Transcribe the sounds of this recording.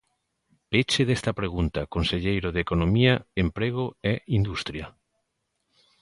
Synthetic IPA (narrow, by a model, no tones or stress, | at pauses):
pet͡ʃeðest̪ɐpɾeɣ̞unt̪ɐkonseʎejɾoðekonomiaempɾeɣ̞oeind̪ust̪ɾjɐ